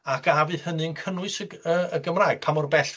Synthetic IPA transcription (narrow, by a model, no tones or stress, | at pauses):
akʰavɨhənɨnkʰənʊɨsəəəɡəmraːɨɡ̥̚pʰamɔrbɛɬ